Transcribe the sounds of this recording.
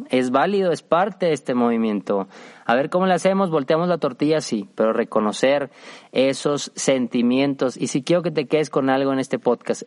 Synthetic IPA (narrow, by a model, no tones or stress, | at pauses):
e̞zβaliðo̞e̞spaɾt̪eðest̪emo̞βimjẽ̞nt̪o̞aβe̞ɾko̞mo̞lease̞mo̞zβo̞lt̪eamo̞zlat̪o̞ɾt̪iʝasipe̞ɾo̞re̞ko̞no̞se̞ɾe̞so̞sːe̞nt̪imje̞nt̪o̞sisikje̞ɾo̞k̬e̞t̪e̞ke̞ðesko̞nalɣoe̞ne̞st̪e̞po̞ðkas